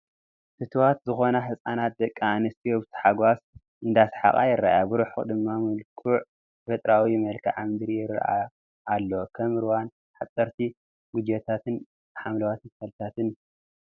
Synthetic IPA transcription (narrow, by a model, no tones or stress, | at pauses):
t̪ʰɨt̪ʰwat̪zɨxo̞nɐħɨsʼanat̪̚d̪ɐkʼːanɨst̪ʰiobt̪ʰi̥ħaɡʷas | ʔɨnd̪asħa̰χʼa̰jɪɾːa̰ʔjabɨɾuħd̪ɨmːamɨlkʰuʕ | bɐt̪ʼɾawimɐlkʰa̰ʕamɨd̪ɨɾijɪɾa̰ʔa̰ː | lːokʰɐmɨɾwan | ħat̪ʼːɐɾt̪ʰi | ɡud͡ʒet̪ʰat̪ɨn | ħamlɐwat̪ʰɨnsɐlt̪ʰat̪ɨn